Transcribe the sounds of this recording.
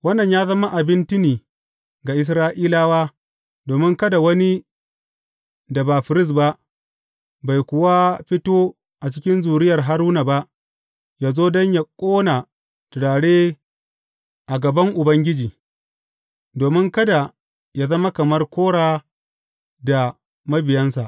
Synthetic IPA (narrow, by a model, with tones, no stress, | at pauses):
wɐ˦nːɐ˨ɲjaː˦zɐ˦ma˦ʔa˨bɪ˦nt͡ʃɪ˦niː˨ | ɡa˨ʔɪ˨s̬ɾaː˦ʔiː˦laː˦waː˦ | doː˨mɪ˦ŋkɐ˦da˨wɐ˦ni˦ | da˨ba˨ɸɪ˨ɾɪ˦s̬ba˦ʔ | ba˨jkʷʊ˦wa˦ɸɪ˦toː˦ | ʔa˨t͡ʃɪ˦kʲɪ˦nzuː˨ɾɪ˦jɐ˨rɦa˦ɾuː˦na˨ba˦ʔ | jaː˨zoː˦dɔ˦ɲja˨kʷʼoː˦naː˨ | tʊ˨ɽaː˨ɽeː˦ | ʔa˨ɡɐ˨bɐ˦ŋʔʊ˨bɐ˦ŋɡʲɪ˦d͡ʒiː˨ | doː˨mɪ˦ŋkɐ˦da˨ | jaː˦zɐ˦ma˦kɐ˨mɐ˦rkʷoː˦ɽaː˦ | da˨ | mɐ˦bɪ˨jɐ˦nsa˨ʔ